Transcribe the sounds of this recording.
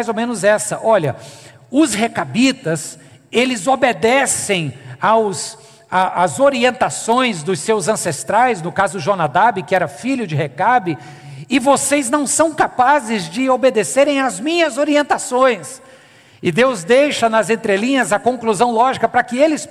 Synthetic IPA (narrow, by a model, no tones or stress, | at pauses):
jzowmẽnʊzɛsɐʔɔʎɐ | ʊshekabit̪ɐs | elɪzobed̪ɛsẽj̃aws | aʔazoɾiẽnt̪asõj̃zd̪ʊsewzɐ̃sest̪ɾajznʊkazʊʒonad̪abɪkɪɛɾɐfiʎʊd͡ʒɪɦekabɪ | ɪvosejznɐ̃w̃sɐ̃w̃kapazɪzd͡ʒɪobed̪eseɾẽj̃azmĩɲɐzoɾiẽnt̪asõj̃s | ɪd̪ewzd̪ejʃɐnɐzẽnt̪ɾelĩɲɐzɐkõŋkluzɐ̃w̃lɔʒikɐpɾɐkɪelɪs